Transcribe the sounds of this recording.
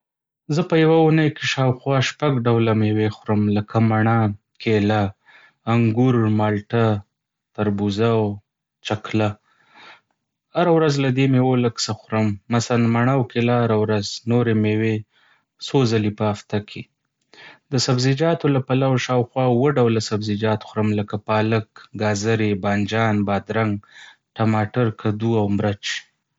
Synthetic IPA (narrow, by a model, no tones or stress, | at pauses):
zəpəjawaunəjkeʃɑwxwɑʃpaɡɖawlamewexʊɾəmləkʰamaɳa | kʰelaː | ŋɡuɾmɑlʈa | t̪aɾbuzaw | t͡ʃakla | haɾawɾazlad̪emewoləksaxɾəmːasaanmaɳawkelaaɾawɾaznoɾemewe | sozalipəaft̪akʰe | d̪əsabzid͡ʒɑt̪olapalawaʃɑwxwɑwəɖawlasabzid͡ʒɑt̪xɾəmləkapɑləkɡɑzaɾebɑnd͡ʒɑnbɑd̪ɾaŋɡ | ʈamɑʈaɾkʰad̪uawmɾat͡ʃ